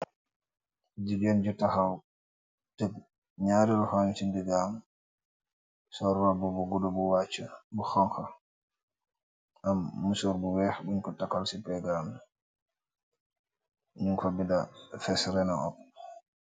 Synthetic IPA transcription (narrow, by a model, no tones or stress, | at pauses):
d͡ʒiɡɛnd͡ʒɔtahaw | tɛp | ɲaːɾiɾɔhaɲsindɛɡam | sɔɾwabɔbɔɡɔdɔbɔwat͡ʃːabuxaŋxa | ʔamːusɔɾbuwɛxbuɲkɔtakːalsipɛɡaːm | ɲuŋkɔbindafɛsɾɛnaʔɔ̰p̚